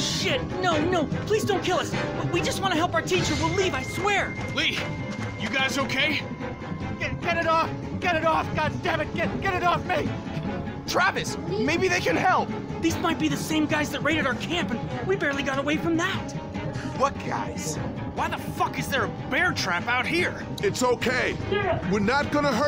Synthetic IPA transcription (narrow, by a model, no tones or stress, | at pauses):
ʃɪt̚ⁿnoʊnoʊpʰl̥izdõʊ̃nkʰɪlˠʌsb̥ʌt̚wid͡ʒʌst̚wɑ̃ñɨɦɛlˠpaʊə˞tʰit͡ʃə˞wɪlivaɪswɛɹli | jɨɡaɪzoʊkʰeɪ | ɡ̥ɛt̚ɡ̥ɛɾɨɾɔf | ɡ̥ɛɾɨɾɔfɡ̥ɑd͡ʒd̥ævɨ̃dɡ̥ɛtɡ̥ɛɾɨɾɔfmeɪi | tʰɹ̥ævɨsmeɪbiðeɪkɨ̃nhɛlˠp̚ | ðizmaɪt̚b̥iðɨsẽɪ̃mɡaɪzðɨt̚ɹeɪɾɨɾaʊə˞kʰæ̃mpɨ̃nwibɛɹlˠiɡɑɾəweɪfɹʌ̃mðæt̚wʌt̚ɡ̥a̰ɪz̥ | waɪðəfʌkɨzðə˞ɨbɛɹtʰɹ̥æpaʊt̚hiɹ | ɨtsoʊkʰeɪ̥wɪɹnət̚ɡ̥ʌnəɦɜ